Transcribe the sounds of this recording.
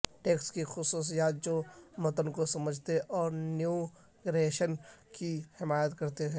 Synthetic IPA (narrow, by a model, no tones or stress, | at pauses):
ʈeːkskixʊsuːs̬ijaːt̪̚d͡ʒoːmɐt̪ənkosɐməd͡ʒʱt̪eʔɔːɾnju | ɡɾeʃənkihɪmaːjət̪kɐɾt̪eɦɛ̃ː